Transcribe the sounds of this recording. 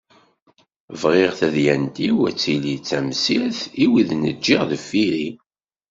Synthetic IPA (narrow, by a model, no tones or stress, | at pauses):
vʁeʁθæðjænt̪iwæt͡sːilit͡sːæmsiθiwiðnəd͡ʒːiʁðəfːiɾi